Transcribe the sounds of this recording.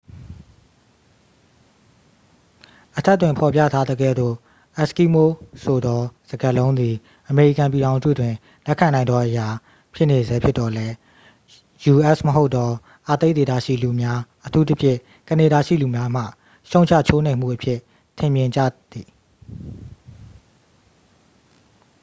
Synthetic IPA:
ʔətʰɛ˦ʔtːwɪ̃˨mpʰɔ˨pjä̰˦˨tʰa˦d̪əɡɛ̰˦˨d̪o̰˦˨ | ʔɛ˦˨ski˦mo˦so˨d̪ɔ˦z̥əɡə˨lõ˦ʊ̃nd̪i˨ | ʔəme˨ḭ˦˨kã˨mp̬i˨ɾã˨ʊ̃nzṵ˦˨dwɪ̃˨ | lɛ˦kʰã˨nã˨ɪ̃nɔ˦ʔəja˨ | pʰjɪ˦ʔne˨zɛ˦pʰjɪ˦tːɔ˨lɛ˦ | ju˨ʔɛ˦ʔsməɦo˦ʊt̪ːɔ˦ | ʔa˨t̪e˦t̪e˨d̪ä̰˦˨ʃḭ˦˨lu˨mja˦ʔətʰu˦t̪ə˦pʰjɪ̰̃˦˨ | kə˨ne˨ɾa˨ʃḭ˦˨lu˨mja˦m̥ä̰˦˨ | ʃõ˦ʊ̃ɲt͡ɕʰä̰˦˨t͡ɕʰo˦nẽ˨m̥ṵ˦˨ʔəpʰjɪ˦˨ | tʰɪ̃˨mjɪ̃˨ɲd͡ʑä̰˦˨d̪i˨

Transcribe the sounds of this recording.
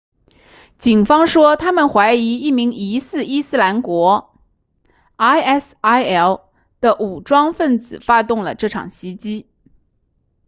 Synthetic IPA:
t͡ɕi˨˩nfɑ˥ŋʂwɔ˥t̪ʰa˥mə˨nxwa˧˥ɪi˧˥i˥˩mi˧˥ŋi˧˥sɹ̩˥˩i˥sɹ̩˥la˧˥nkwɔ˧˥ | a˥ɪɛ˥˩s | a˥ɪɛ˥˩ʊ | d̪̥ə˧˨ʔu˨˩ʈ͡ʂwɑ˥ŋfə˥˩nt͡sɹ̩˨˩fa˥t̪ʊ˥˩ŋlə˩ʈ͡ʂɤ˥˩ʈ͡ʂʰɑ̰˨˩ŋɕi˧˥t͡ɕi˥

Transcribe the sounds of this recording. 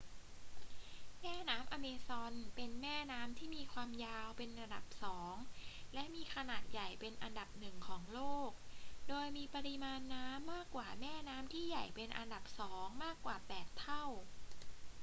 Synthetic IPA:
mɛː˥˩naː˦˥mʔa˧meː˧sɔ˧npe˧nmɛː˥˩naː˦˥mt̪ʰiː˥˩miː˧kʰwaː˧mjaː˧wpe˧nɾa˧da˨˩p̚sɔː˩˦ŋlɛ˦˥ʔmiː˧kʰa˧naː˨˩t̪̚ja˨˩jpe˧nʔa̰˧nda˨˩p̚nɯ˨˩ŋkʰɔː˩˦ŋloː˥˩k̚doː˧jmiː˧pa˧ɾi˦˥maː˧nːaː˦˥mːaː˥˩kːwaː˨˩mɛː˥˩naː˦˥mt̪ʰiː˥˩ja˨˩jpe˧nʔa̰˧nda˨˩p̚sɔː˩˦ŋmaː˥˩kːwaː˨˩pɛː˨˩t̪ʰːa˥˩w

